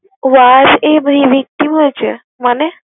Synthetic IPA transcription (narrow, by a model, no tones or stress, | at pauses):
ʋad͡ʑebəiʋik̚t̪imɦojɛt͡ɕe | mane